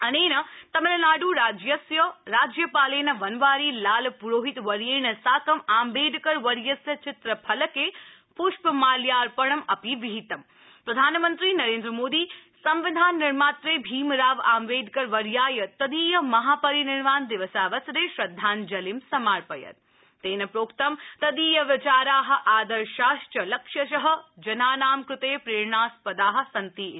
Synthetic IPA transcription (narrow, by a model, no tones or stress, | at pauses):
ɐneːnɐt̪ɐmɐlɐnaːɽuːɾaːd͡ʒjɐsjɐɾaːd͡ʒjɐpaːleːnɐʋɐnʋaːɾiːlaːlpuɾoːɦit̪ʋɐɾjeːnɐsaːkɐmaːmbeːd̪ʱkəɾʋɐɾjɐsjɐt͡ʃʰɪt̪ɾəpʰɐlɐkeː | pʊʃpmaːljaːɾpɐɳ̃ɐmɐpiʋiɦit̪ɐm | pɾɐd̪ʱaːnmənt̪ɾiːnɐɾeːnd̪ɾəmoːd̪iːsɐmʋɪd̪ʱaːnːɪɾmaːt̪ɾeːbʱiːmɾaːʋaːmʋeːd̪ʱkɐɾʋɐɾjaːjɐt̪ɐd̪iːjɐmɐɦaːpɐɾinɪɾmaːnd̪ɪʋɐsaːʋɐsɾeːʃɾɐd̪ʱːaːnd͡ʒɐlimsɐmaːɾpɐjɐ̰t̪ | t̪eːnɐpɾoːkt̪ɐmt̪ɐd̪iːjɐʋɪt͡ʃaːɾaːɦɐ̆ʔaːd̪ɐɾʃaːʃʈɐlɐkʃjɐʃ̬ɐɦɐ̆d͡ʒɐnaːnaːmkɾɪt̪eːpɾeːɾɳaːspɐd̪aːɦɐ̆sɐnt̪iː